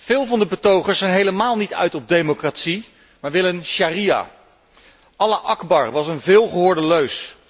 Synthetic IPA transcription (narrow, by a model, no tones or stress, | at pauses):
v̥ɪːlˠvɑndəbətowχəɹsɛjnɦejləmaːlˠnitœ̰ɥtɔb̚dejmokratsi | maːɹʋɪlənʃaːrija̰ː | ɑlaʔɑɡbɑɹʋɑsənvɪːlˠχəɦʊːɹdəløɥs